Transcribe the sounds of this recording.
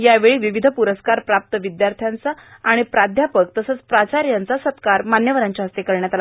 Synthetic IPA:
jaʋeɭiːʋiʋid̪ʱəpuɾəskaɾpɾap̚t̪əʋid̪jaɾt̪ʰjant͡saː | ɽ̃ipɾad̪ʱjapək̚t̪əsəːt͡spɾat͡ɕaɾjant͡sasət̪kaɾmanjəʋəɾãɲt͡ɕaɦəst̪ekəɾɳjat̪ala

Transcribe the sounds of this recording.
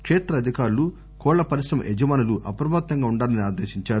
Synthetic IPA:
kʂeːt̪ɾɐːd̪ʱikaːɾulu | kɔːɭːɐpɐɾisɾɐmɐ̰ʔed͡ʒɐmaːnuluʔɐpɾɐbaːt̪ːɐŋɡaːuɳɖaːlɐniaːd̪eːʃiɲt͡ʃaːɾu

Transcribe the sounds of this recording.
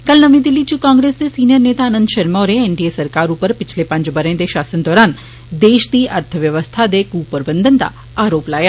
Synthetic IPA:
kɐlnəmĩd̪ɪlːit͡ɕukãŋɡɾesd̪esiːnijəɾneːt̪aənənd̪ʃɐɾmoːɾeenɖiesəɾkaɾupəɾpɪt͡ʃʰlepə̃ɲt͡ʃbəɾẽnd̪eʃaːsənd̪ɔːɾaːn | d̪eːʃd̪iːʔəɾt̪ʰəʋjəʋəst̪ʰad̪ekuːpəɾbənd̪ənt̪a̰ | aːɾoːplaːja

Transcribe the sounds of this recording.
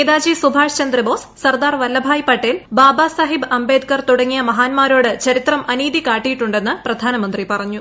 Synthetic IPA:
ed̪aːd͡ʑisubʱaːʂt͡ɕɐnd̪ɾɐbo̞ːs | sɐrd̪aːrʋɐlːɐbʱaːjpɐʈːelbaːbasɐɦibɐmbeːd̪kɐrt̪uɽɐŋːijɐmɐɦaːnmaːɾo̞ːɽɨt͡ɕɐɾit̪rɐmʔɐniːd̪ikaːʈːijiʈːuɳɖe̞nːɨprɐd̪ʱaːnɐmɐnd̪ripɐrɐɲːu

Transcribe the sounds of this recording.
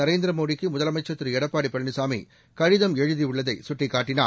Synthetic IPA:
ɐɾeːnd̪ɪɾɐmoːɽɪkːɯmʊðɐlɐmɐɪt͡ʃːɐt̪ːɯɾɯɛɽɐpːaːɽipːɐɭnɯsaːmḭ | kɐɻɪðɐmɛɻɯðiʊɭːɐðɐɪsʊʈːɪkːaːʈːɪna̰ː

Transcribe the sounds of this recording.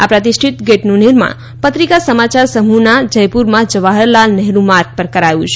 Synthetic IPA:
apɾət̪isʈʰit̪ɡeʈnuniɾmã̰ | pət̪ɾikasəmat͡ʃaɾsəmunad͡ʒəjpuɾmãd͡ʒəʋaɦəɾlalnɛɦɾũmaɾk̚pəɾkəɾajṵ̃t͡ʃʰ

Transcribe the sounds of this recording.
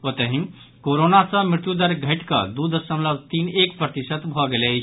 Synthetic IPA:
ot̪əɦĩm | koɾonasə̃mɾɪɾt̪jud̪əɾɡʱəʈkə̰d̪ud̪əsəmləbt̪inekpɾət̪isət̪bʱɔɡelɛt͡ʃʰ

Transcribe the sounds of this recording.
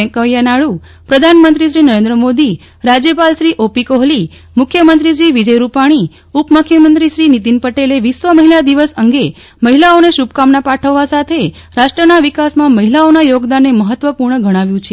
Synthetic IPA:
ɛ̃ŋkəijanaɭu | pɾəd̪ʱanmənt̪ɾiʃɾinəɾẽnd̪ɾəmod̪i | ɾad͡ʒjəpalʃɾiʔopikoɦli | mʊkʰːjəmənt̪ɾid͡ʒiʋid͡ʒəjɾupaɽ̃i | upməkʰjəmənt̪ɾiʃɾinit̪inpəʈeleʋiʃʋəməɦilad̪iʋəsəŋɡe | məɦilaoneʃub̚kamnapaʈʰəʋːasat̪ʰe | ɾaʃʈɾənaʋikasmãməɦilaonajoɡd̪anːeməɦət̪ːʋəpuɾɳəɡʱəɽ̃ãʋjũt͡ʃʰe

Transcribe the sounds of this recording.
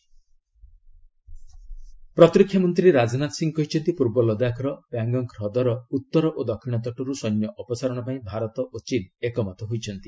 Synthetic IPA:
pɾɔt̪ɾikʰːjɔmɔnt̪ɾiɾad͡ʒɔnat̪siŋɡkɔɦit͡ʃʰɔnt̪ipuɾbɔlɔd̪akʰɾɔpjaŋɡɔŋkɾɔd̪ɔɾɔut̪ːɔɾɔʔod̪ɔkʰːiɽ̃ɔt̪ɔʈɔɾusɔjnjɔʔɔpɔsaɾɔɽ̃ɔpaĩbʱaɾɔt̪ɔʔot͡ʃinekɔmɔt̪ʰɔɦojt͡ʃʰɔnt̪i

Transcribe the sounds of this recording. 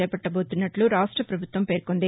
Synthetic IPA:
ɛːpɐʈːɐboːt̪unːɐʈluɾaːʂʈɾɐpɾɐbʱut̪ʋɐmpeːɾkond̪i

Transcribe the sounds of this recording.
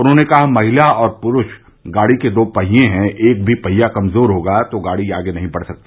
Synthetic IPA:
ʊnɦõnekɐɦamɐɦɪlaɔːɾpʊɾʊʃ | ɡaːɽiked̪oːpɐɦijẽɦɛ̃ʔeːk̚bʱipɐɦijakɐmzoːɾɦoːɡat̪oɡaːɽiaːɡenɐɦĩbɐɽsɐk̚t̪e

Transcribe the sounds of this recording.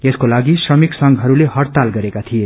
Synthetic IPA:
eskolaɡisrʌmiksʌŋɡɦʌɾuleɦʌrt̪alɡʌɾekat̪ʰije

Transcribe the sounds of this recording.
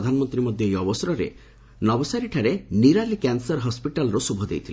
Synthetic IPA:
d̪ʱanɔmɔnt̪ɾimɔd̪ʱjɔejɔbɔsɔɾɔɾḛ | nɔbɔsaɾiʈʰaɾeniɾalikansɔɾɦɔspiʈalɔɾosubʱɔd̪ḛjt̪ʰil

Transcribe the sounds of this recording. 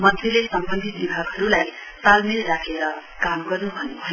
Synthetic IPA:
mʌnt̪ʰilesʌmbʌnd̪ʱit̪̚bibʱaɡɦʌɾulaj | salmilɾakʰeɾʌkamɡʌrnubʱʌnebʱʌ

